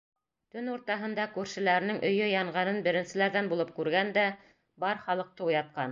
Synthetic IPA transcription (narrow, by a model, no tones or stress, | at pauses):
t̪ɵnuɾt̪ɑɦɤ̆nd̪ɑkʉɾʃɘ̆læɾɘ̆nɘŋʔɵ̆jɵjɑɴʁɑnɤnbɘ̆ɾɘ̆nsɘ̆læɾðænbulˠɤp̚kʉɾɡænd̪æ | bɑɾχɑlˠɤ̆q̚t̪ɤujɑt̪̚qɑn